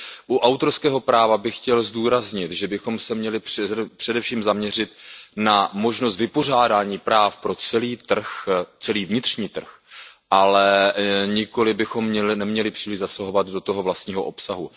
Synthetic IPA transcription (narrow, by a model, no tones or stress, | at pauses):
ʔuʔawt̪o̞ɾskɛːɦo̞pɾaːvabɪxcɛlzduːɾazɲɪt̪ʒɛbɪxo̞msɛmɲɛlɪpɛpr̝̥ɛdɛfʃiːmzamɲɛr̝ɪt̪̚namo̞ʒnost̪vɪpo̞r̝aːdaːɲiːpɾaːfpɾo̞t͡sɛliːt̪r̩xt͡sɛliːvɲɪt̪r̥ɲiːt̪r̩xʔalɛɲɪko̞lɪbɪxo̞mːɲɛlɪnɛmɲɛlɪpr̥iːlɪʒzasaɦo̞vad̪do̞t̪oɦo̞vlast̪ɲiːɦo̞̰ʔo̞psaɦu